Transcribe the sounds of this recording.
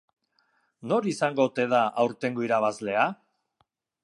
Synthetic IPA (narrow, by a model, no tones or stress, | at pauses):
no̞ɾisaŋɡo̞t̪e̞ðaʔawɾt̪e̞ŋɡoiɾaβ̞azle̞a